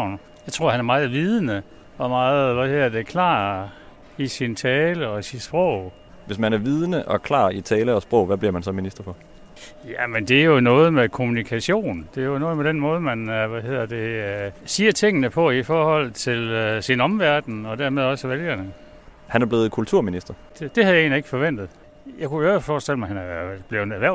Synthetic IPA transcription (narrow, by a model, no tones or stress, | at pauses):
ʊ̰n | jɑɪt͡sʰʁo̝ɐ̰hænæɐmɑ̈ːð̩ˠʋið̞ˠənə | ɒ̽mɑ̈ːð̩ˠʋæhe̝ð̰ɐd̥ekʰlɑ̰̈ː | isint͡sʰɛːləɒ̽sid̥sb̥ʁɔʊ̰ | ʋe̝smænæɐʋið̞ˠnəʔɒ̽kʰlɑ̰̈ːit͡sʰɛːləɒ̽sb̥ʁɔ̽ʊʋæb̥liɐ̰mænsɒ̽minisd̥ɐpʰɒ̽ | jæmend̥e̝æɐjo̝nɔ̽ːð̞̩ˠmekʰo̝munikʰæɕo̝̰ːnd̥e̝ɐjonɔ̽ːð̩ˠmed̥enmɔ̽ːð̞ˠmænʋæɦe̝ð̰ˠɐd̥e̝siːɐt͡sʰe̝ŋ̰ənəpʰɒ̽ifɒːhɒ̽l̰t͡sʰe̝lsinɒ̽mʋæɐd̥n̩ɒ̽d̥æɐ̰með̞ˠɒ̽səʋeljɐnə | hænæɐb̥le̝ːð̩ˠkʰult͡sʰuɐ̰minisd̥ɐd̥ed̥e̝hæðˠje̝ːnlieɡ̥ə̥fɒ̽ʋen̰d̥ð̩ˠ | jɑɪkuæfɒːsd̥el̰əmɑ̈ɪhænæɐb̥le̝ʊnæɐʋæɐ̰